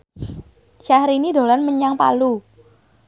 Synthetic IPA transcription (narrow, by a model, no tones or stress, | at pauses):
ʃahɾinid̪o̤lanməɲaŋpa̰lu